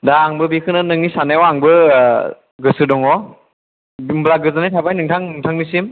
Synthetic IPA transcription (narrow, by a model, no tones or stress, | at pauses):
daːŋbɯbikʰɯnɯnɯŋnisanajwaŋbɯ | ɡɯsɯdɔŋɔ | bmblaɡɯzɯnajtʰabajnɯŋtʰaŋnɯŋtʰaŋmisim